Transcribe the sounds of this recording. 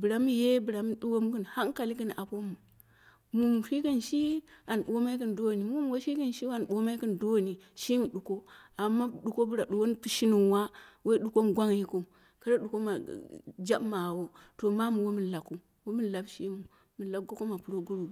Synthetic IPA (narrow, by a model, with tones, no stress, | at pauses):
bɨ˨ɾa˨mi˦je˦bɨ˨ɾa˨m˦ɗu˦wo˦m˦kə˦nha˦ŋ˦ka˨li˦k̬ə˦n˨a˨po˦mu˨ | mu˨m˨ʃi˦ki˦nʃi˦a˨n˨ɓo˦ma˦i˦kɨ˦n˨do˦˨ni˨mu˦m˦wo˦ʃi˦kə˦n˨ʃi˦wa˦˨n˨ɓo˦ma˦i˦kə˦ndo˦˨ni˨ʃi˦mu˨ɗu˨ko˦a˨mːa˦ɗu˨ko˦bɨ˦ɾa˨ɗu˨ko˦n˦pu˦ʃi˦nu˨wa˦we˦i˦ɗu˨ko˦m˨ɡʷa˦ŋji˦ku˦˨ | kə˦ɾa˦ɗu˨ko˦ma̰˨d͡ʒa˦bma˨wo˦ | to˨ma˦mu˨wo˦mɨ˦la˨kːu˦ | wo˦mi˦˨la˨bʃi˦mu˨ | mi˨la˨kɡo˦ko˦ma˨pu˨ɾo˦ɡu˦ɾu˨